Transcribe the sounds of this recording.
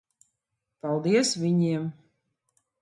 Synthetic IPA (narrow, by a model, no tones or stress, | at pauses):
palˠd̪iɛsvʲiɲiɛm